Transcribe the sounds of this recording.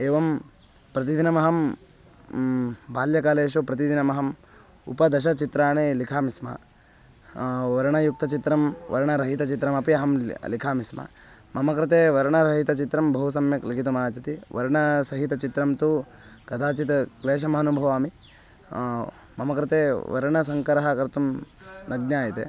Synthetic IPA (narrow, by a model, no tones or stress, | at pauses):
eːʋɐm | pɾɐt̪id̪ʱinɐmɐɦɐm | bʱaːljɐkaːleːʃupɾɐt̪id̪ʱinɐmɐɦɐm | ṵpɐd̪ɐʃɐt͡ʃit̪ɾaːɳelikʰaːmismɐ̰ | ʋɐɾɐɳɐjuk̚t̪ɐt͡ʃit̪ɾɐmʋɐ̰ɾɐɳɐɾɐɦit̪ɐt͡ʃit̪ɾɐmɐpiɐɦɐmlikʰaːmismɐ̰ | mɐmɐkɾɨt̪eːʋɐɾɐɳɐɾɐɦit̪ɐt͡ʃit̪ɾɐmbʱɐɦusɐmjɐklikit̪umaːt͡ʃɐt̪iʋɐɾɳɐsɐɦit̪ɐt͡ʃit̪ɾɐmt̪u | ɡɐd̪ʱaːt͡ʃit̪ɐkleːʃ̬ɐmɐɦɐnubʱɐʋaːmi | mɐmɐkɾɨt̪eːʋɐ̰ɾɐɳɐsɐŋkɐɾɐɦɐkɐɾt̪um | nɐɡnjaːjɐt̪ḛ